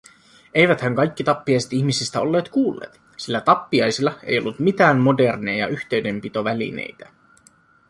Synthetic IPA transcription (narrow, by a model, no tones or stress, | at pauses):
e̞jʋæt̪hæŋkɑjk̟ːit̪ɑpːiɑjse̞t̪içmisist̪æo̞̰lːeːt̪kuːlːḛːt̪ | silːæt̪ɑpːiɑjsilːɑe̞̰jo̞̰lːut̪mit̪æːmːo̞de̞rnejɑ̰yçt̪e̞ɥde̞mpit̪o̞ʋælḭnḛjt̪æ